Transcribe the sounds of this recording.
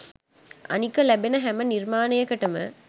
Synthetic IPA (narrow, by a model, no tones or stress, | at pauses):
ɐ̰nikːɐlɐbenɐɦɛmɐniɾmaːnɐjɐkːɐʈːɐmɐ̰